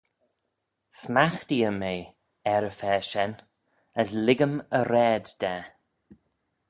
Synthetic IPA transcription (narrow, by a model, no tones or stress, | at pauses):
smaxt̪iəmeː | ɛɾəfɛːʃɛn | əslɪɡəməɾɛːdd̥ɛː